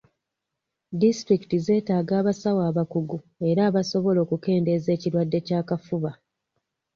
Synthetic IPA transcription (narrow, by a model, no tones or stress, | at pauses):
distɾiki̥tize̞ːtaːɡaːβasawaːβakuɡu | e̞ɾaːβaso̞βo̞lo̞ːkuke̞ːnde̞ze̞ːciɾwadːe̞caːkafuβa